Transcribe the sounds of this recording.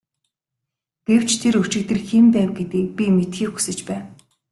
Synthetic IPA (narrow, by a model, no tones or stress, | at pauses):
ɡ̥ew̥t͡ɕt̪ʰeɾɵt͡ɕɪ̆k̚t̪ɘ̆rximpæːwɡet̪iːk̚pʲimet̪xiːxu̥sɘ̆t͡ɕpæːw